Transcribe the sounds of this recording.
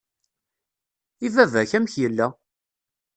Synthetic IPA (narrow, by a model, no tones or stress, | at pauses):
ivævæçæmçjəlːæ